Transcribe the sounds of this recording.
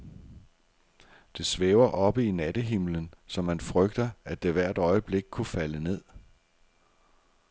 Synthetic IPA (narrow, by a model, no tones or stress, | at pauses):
d̥e̝sʋeːʊɐʔɒ̽b̥əinæd̥əɦimlənsɒ̽mænfʁœɡ̥d̥ɐæd̥eʋæɐ̰d̥ɒ̽ɪəb̥le̝ɡ̥̚kʰufæləne̝ð̰ˠ